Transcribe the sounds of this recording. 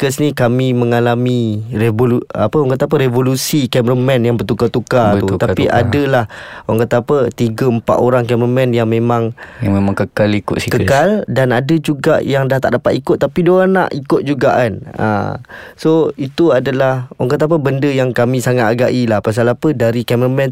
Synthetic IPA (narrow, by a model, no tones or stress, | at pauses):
kəsnikamĩməŋalamĩɾevoluapəwaŋkət̪ap̬əɾevolusikɛmɾəmɛnjaŋbərt̪ukat̪ukauatpiʔa̰dəlahoaŋkət̪apət̪iɡəəmpa̰ʔ̪oɾaŋkɛmɾəmɛ̃njaŋmẽmãŋjaŋmemãŋkəkalikʊt̪sikəkaldanadəd͡ʒuɡa̰ʔjaŋdaht̪a̰ʔ̚dapat̪ikʊt̪̚ːapidoana̰ʔikʊt̪̚d͡ʒuɡa̰ʔana̰soit̪uadalahwaŋkət̪ap̬əbəndəjaŋkamĩsaŋat̪̚aɡaʔilahpas̬alapədaɾikɛmɾəmɛ̃n